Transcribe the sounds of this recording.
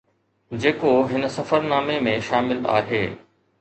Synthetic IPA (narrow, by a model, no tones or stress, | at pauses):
d͡ʑeːkoɦɪnə̆sɐfəɾnaːmemẽʃaːmɪla̰ːɦeː